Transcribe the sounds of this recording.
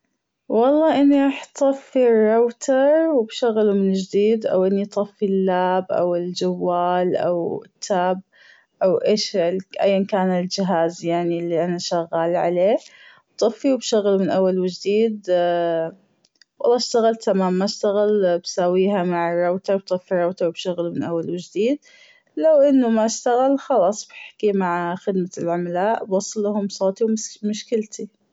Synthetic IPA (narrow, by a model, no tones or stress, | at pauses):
wɑlˤːɑːʔɪnːiɾˤɑːħt̪ˤɑfːirˤːawt̪ʰɑɾˤwbʃaɣːlumɪnd͡ʒd̪iːd̪ʔa̰wʔɪnːit̪ˤɑfːilːaːbʔa̰wɪld͡ʒawːaːlʔa̰wɪt̪ʰːaːb̚ | ʔawʔeːʃʔa̰jːankaːnɪld͡ʒɪɦaːzjaʕnilːiʔanaʃaɣːaːlʕaleːwt̪ˤɑfːiwbʃaɣːlumɪnʔawːalwɪd͡ʒd̪iːd̪ | wɑ̰lːɑːʃt̪aɣalt̪ʰamaːmːaʃt̪aɣalbsawiːɦamaʕɪrˤːɑwt̪awt̪ˤɨfːirˤɑwt̪awbʃʊɣlmɪnʔawːalwɪd͡ʒd̪iːd̪̚ | lawʔɪnːʊmaʃt̪aɣalxɑlɑːsˤbɪħḁkimaʕxɪd̪malʕʊmlaːʔbwɑsˤːɨlːaɦʊmsˤoːt̪ˤiwmʊʃkɪlt̪ʰi